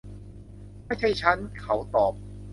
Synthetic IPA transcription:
ma˥˩jt͡ɕʰa˥˩jt͡ɕʰa˦˥nkʰa˦˥wt̪ɔː˨˩p̚

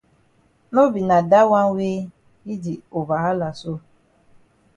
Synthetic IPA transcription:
no˦bi˨na˨da˦wa˦we˦ | i˦di˨o˨va˨ɦa˦la˨so˦

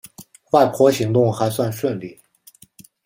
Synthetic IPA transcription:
xwa˥˩ɪpʰwɔ˧˥ɕi˧˥ŋt̪ʊ˥˩ŋxa˧˥ɪswa˥˧nʂwə˥˧nli˥˩

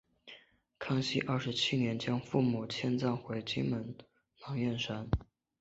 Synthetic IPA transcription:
kʰɑ˥ŋɕḭ˥ʔɐ˞˥˩ʂɻ̩˧˥t͡ɕʰi˥njɛ˧˥nt͡ɕjɑ˥ŋfu˥˩mu˨˩t͡ɕʰjɛ˥nt͡sɑ˥˩ŋxwe˧˥ɪt͡ɕi˥mə˧˥n | nɑ˧˥ŋɥɛ˥˩nʂa˥n

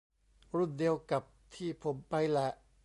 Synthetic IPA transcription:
ɾu˥˩ndi˧əwka˨˩p̚t̪ʰiː˥˩pʰo˩˦mpa˧jlɛ˨˩ʔ

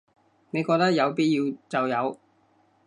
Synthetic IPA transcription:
ne˨˧jkɔː˧k̚t̪ɐ˥k̚jɐ˨˧wpiː˥t̚jiː˧wt͡sɐ˨wjɐ˨˧w

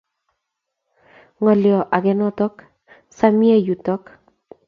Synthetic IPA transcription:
ŋɔ˨ljɔ˨ʔa˨kɛ˨nɔ˦tɔ˦k | sa˦mi˦e˦ju˨tɔ˦k

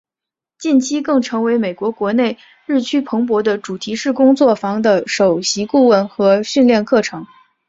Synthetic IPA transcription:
t͡ɕi˥˩nt͡ɕʰi˥kɤ˥˩ŋʈ͡ʂʰɤ˧˥ŋwe˧˥ɪme˨˩ɪkwɔ˧˥kwɔ˧˥ne˥˧ɪ | ɻɻ̩˥˩t͡ɕʰy˥pʰɤ˧˥ŋp̬wɔ˧˥d̪ə˧ʈ͡ʂu˨˩t̪ʰi˧˥ʂɻ̩˥˩kʊ˥ŋt͡swɔ˥˩fɑ˧˥ŋd̪ə˧ʂo˨˩ʊɕi˧˥ku˥˧wə˥˩nxɤ˧˥ɕy˥˧nljɛ˥˧nkʰɤ˥˩ʈ͡ʂʰɤ˧˥ŋ

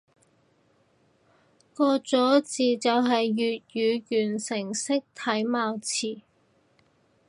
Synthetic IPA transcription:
kɔː˧t͡sɔː˨˥t͡siː˨t͡sɐ˨wɦɐ˨jːyː˨t̚jyː˨˧jyː˨˩nsɪ˨˩ŋsɪ˥k̚t̪ʰɐ˨˥jmaː˨˧wt͡sʰiː˨˩

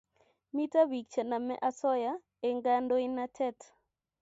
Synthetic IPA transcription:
mi˦ta˦wi˨k̚t͡ʃa˨na˨mɛ̰˦ʔa˦sɔ˦ja˦ | e˨ŋɡa˦ndo˦i˦nːa˦tʰɛ˦t

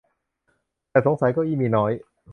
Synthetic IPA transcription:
t̪ɛː˨˩so˩˦ŋsa˨˩˦jkɔː˥˩ʔiː˥˩miː˧˩nɔː˦˥j

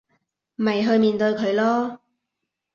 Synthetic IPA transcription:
m˨mɐ˨jɦɵ˧ɥmiː˧nt̪ɵ˧ɥkʰɵ˨˧ɥlɔː˥

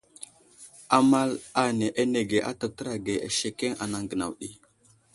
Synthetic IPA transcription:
a˦ma˦la˨ne˨ʔe˦ne˨ɡe˨ʔa̰˦ta˨tə˦ɾa˨ɡe˨ʔa̰˨ʃe˨ke˦ŋa̰˨na˨ŋɡə˨na̰˨wɗi˦

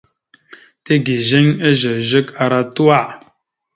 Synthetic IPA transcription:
te˦ɡi˨ʒe˦ŋə˦ʒə˨ʒə˦ka˨ɾa˦tu˦a˦˨ʔ

